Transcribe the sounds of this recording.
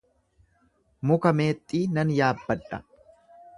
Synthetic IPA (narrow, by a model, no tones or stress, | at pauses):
mʊkɐme̞ːt̪ʼːiːnɐnjaːbːɐᶑɐ